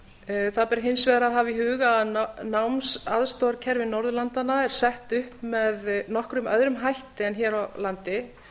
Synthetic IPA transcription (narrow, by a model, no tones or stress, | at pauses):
θaðpɛɾɦɪnsvɛðɾaðɦaviɦʏːɣaðnawmsaðst̪ɔɾcʰɛɾvɪnɔwɾðʏlant̪anːaɛɾ̥sɛht̪ʏhpmɛðnɔhkɾʏmœ̰ðɾʏmɦajht̪ɪɛnçɛːɾalant̪ɪ